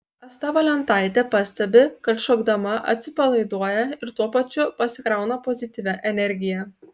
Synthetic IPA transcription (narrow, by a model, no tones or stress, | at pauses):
ɐst̪ɐʋɐlʲɛnt̪ɑˑɪt̪ʲɛpɑsʲt̪ʲɛbʲɪkɐt̪ʃoɡd̪ɐmɐʔɐ̰t̪ʲsʲɪpɐlˠɐɪd̪uɔjɛɪɾt̪uɔpɐt͡ʃʲʊpɐsʲɪkɾɑˑʊnɐpɔzʲɪt̪ʲɪʋʲɛʔɛnʲɛɾʲɡʲɪjɛ